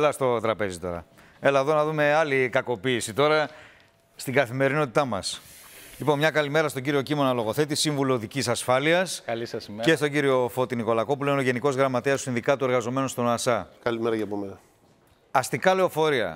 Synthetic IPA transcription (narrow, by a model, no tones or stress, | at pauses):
elɐst̪o̞t̪ɾɐpe̞zit̪o̞̰ɾɐ̰ | e̞lɐðo̞nɐðume̞ɐlikɐko̞piːsit̪o̞ɾɐ | st̪iŋɡɐθime̞ɾino̞t̪it̪ɐmɐ̰s | lipo̞nmɲɐkɐlime̞ɾɐst̪oɟiɾio̞cimo̞nɐloɣo̞θe̞t̪isiɱvuloðicisɐsfɐliɐsɐlisɐsce̞st̪o̞ɲɟiɾio̞fo̞t̪iniko̞lɐko̞p̬uleno̞ʝe̞niko̞zɣɾɐmɐt̪eɐst̪uĩnðikɐt̪ue̞ɾɣɐzo̞me̞nost̪o̞nɐsɐkɐlimeɾɐʝɐpomenɐ | ɐst̪ikɐle̞o̞fo̞ɾiɐ̰